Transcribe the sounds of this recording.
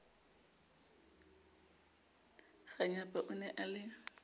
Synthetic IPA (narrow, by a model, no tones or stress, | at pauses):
ɣaɲapʼaʔʊnɛʔalɪ